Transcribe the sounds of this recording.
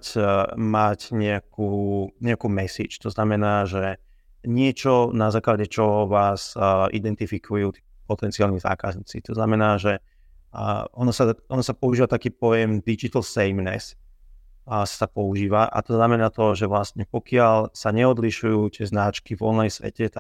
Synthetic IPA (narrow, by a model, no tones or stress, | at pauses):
cmacɲɛakʰuːɲɛakuːmɛsḭt͡ʃt̪ɔznamɛnaːʒɛ | ɲɪɛt͡ʃɔnazaːklaɟɛt͡ʃɔɦɔʋaːzʔid̪ɛnt̪ifikʰujuːt̪iːpɔt̪ɛnt͡siaːlniza̰ːkazɲiːt͡sḭt̪ɔznamɛnaːʒɛ | ɔnɔsaʔɔnɔsapɔuʒiːʋat̪akiːp̚ɔjɛmd̪id͡ʒit̪ɛlsɛjmnɛ̰s | ssapɔuʒiːʋaʔa̰t̪ɔznamɛnaːt̪ɔʒɛʋlast̪ɲɛpɔkɪalsaɲɛɔd̪liʃujuːt̪ɪɛznat͡ʃkivɔ̰nlajsʋɛ̰cɛt̪a